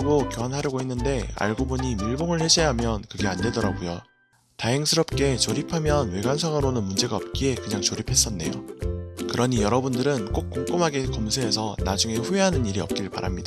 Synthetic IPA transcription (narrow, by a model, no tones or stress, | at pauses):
ɡokjoɦanɦaɾjʌɡoɦenːɯnde̞a̰ɭɡoboɲimiɭboŋɯɭheɕʰeɦamjʌnkɯɡe̞ande̞dʌɾaɡojo | taɦeŋsʰɯɾʌp̚k͈e̞t͡ɕoɾipʰamjʌnwe̞ɡansʰaŋɯɾonɯnmund͡ʑe̞ɡaʌp̚k͈ie̞kɯɲaŋt͡ɕoɾipʰe̞s͈ʌnːe̞̰jo̰kɯɾʌɲijʌɾʌbundɯɾɯnk͈ok̚k͈ok͈omɦaɡekʌmsʰeːsʰʌna̰d͡ʑuŋe̞ɸueɦanɯniɾiʌ̰p̚k͈iɾɯɭpa̰ɾʔamɲida